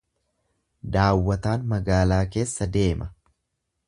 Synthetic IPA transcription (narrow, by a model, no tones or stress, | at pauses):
d̪aːwːɐt̪aːnmɐɡaːlaːke̞ːsːɐd̪e̞ːmɐ